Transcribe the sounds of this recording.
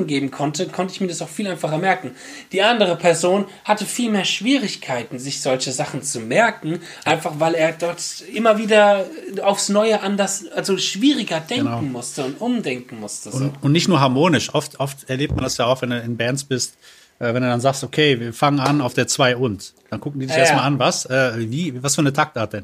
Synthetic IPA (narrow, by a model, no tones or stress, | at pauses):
n̩ɡeːbm̩kʰɔntəkʰɔntəɪçmiːɐdasaʊxfiːlʔaɪnfaχɐmɛɐkŋ̩ | d̥iːʔandəʁ̞əpʰɛɐzoːn | hatəfiːlmeːɐʃv̥iːʁɪçkʰaɪtn̩zɪçz̥ɔlçəzaχn̩t͡sumɛɐkŋ̩ | ʔaɪnfaχv̥aɪleːɐdɔɐtʔɪmɐviːdɐaʊfsnɔʏəʔandasʔalzoʃv̥iːʁɪɡɐdɛəŋnakʊŋ̩mʊstəʊntʔʊmdɛŋkŋ̩mʊstəzʊntnɪçtnuːɐɦaɐmoːnɪʃʔɔftʔɔftɛɐleːp̚t̚mandasjaːaʊxv̥ɛnduːɪnbɛntsb̥ɪst | ʔɛːvɛnduːdanzaːkstʔokʰeːviːɐfaŋənanaʊfd̥eːɐt͡sv̥aɪʔʊntd̥ankʊkŋ̩diːdɪçeɐstmalʔanvasʔɛːviːvasfyːɐnətʰak̚tʔaːɐt̚d̥ɛn